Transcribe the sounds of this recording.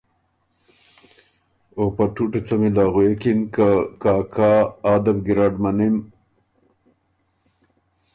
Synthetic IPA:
opaʈuʈet͡samilaːɣuekinkakaːkʰaːd̪abɡiɾaɖmanim

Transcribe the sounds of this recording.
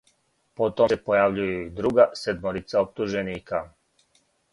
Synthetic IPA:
pot̪oepojaʋʎujuid̪ɾuɡased̪moɾit̪saop̚t̪uʒeniːka

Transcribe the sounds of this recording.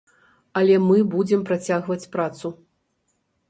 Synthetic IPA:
ɐlʲɛmɨbud͡zʲɛmpɾat͡sʲaɣvɐt͡sʲpɾat̪su

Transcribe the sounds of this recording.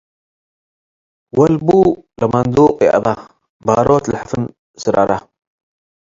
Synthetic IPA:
wɐlbulɐmɐnd̪uqʼjɛ̰ʔɐ̰ðˤa | baɾot̪lɨħafɨn | sɨɾa̰ɾa

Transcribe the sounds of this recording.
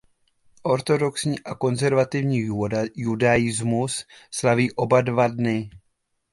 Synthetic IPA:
ʔo̞ɾt̪o̞do̞ksɲiːʔako̞nzɛɾvat̪ɪvɲiːjudajɪzmusslaviːʔo̞badvadnɪ

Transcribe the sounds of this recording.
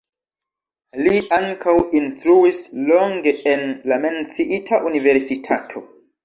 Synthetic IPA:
liaŋkʰawinstɾuisloŋɡe̞enlame̞nt͡siʔitʰaʔunive̞ɾsitʰatʰo̞

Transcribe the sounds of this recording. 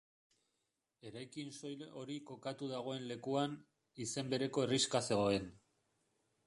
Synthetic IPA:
e̞ɾajkinso̞jo̞ɾiko̞kat̪uðaɣ̞o̞e̞nle̞kuan | ise̞mbe̞ɾe̞ko̞e̞riskase̞ɣo̞e̞n

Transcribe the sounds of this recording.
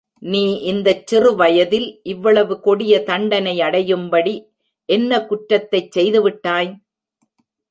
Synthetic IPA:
niːʔɪnd̪ɐt͡ʃːɪrɯʋɐjɐðɪlʔɪʋːɐɭɐʋɯkɔɽɪjɐt̪ɐɳɖɐnɐɪɐɽɐjɯmbɐɽi | ʔɛnːɐkʊʈɾɐt̪ːɐɪt͡ʃsɛjðɯʋɪʈːaːj

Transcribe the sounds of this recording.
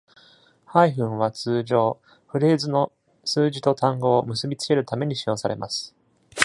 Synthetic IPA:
haiɸɯ̟̃ɰ̃β̞at͡sɨːʑo̞ː | ɸɯ̟ɾe̞ːzɨno̞ | sɨːʑit̪o̞t̪ãŋɡo̞ːmɯsɨbʲit͡sɨ̥ke̞ɾɯ̟t̪ame̞ɲ̟iɕijo̞ːsaɾe̞̰mʔa̰sɨ̥

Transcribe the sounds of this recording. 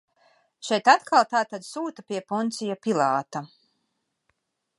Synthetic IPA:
ʃɛjt̪at̪kʰalˠt̪aːt̪ad̪suːt̪apʲiɛpɔnt̪sijapilˠaːt̪a

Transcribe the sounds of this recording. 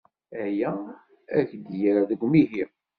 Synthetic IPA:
æjæ | æçd̪jaɾaðəɡʷmiɦiʁ

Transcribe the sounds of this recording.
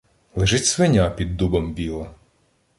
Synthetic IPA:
lˠeʒɪtʲsʋɪnʲapʲid̪ːubɐmbʲilˠɐ

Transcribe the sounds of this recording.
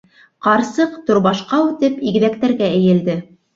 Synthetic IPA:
qɑɾsɤqt̪ŏɾβɑʃqɑʉt̪ɘpiɡ̆ðæk̚t̪æɾɡæɘ̆jɘ̆ld̪ɘ

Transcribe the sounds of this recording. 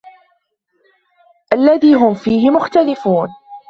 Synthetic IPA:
ʔalːaðiːɦʊmfiːhɪmʊxt̪alɪfuːn

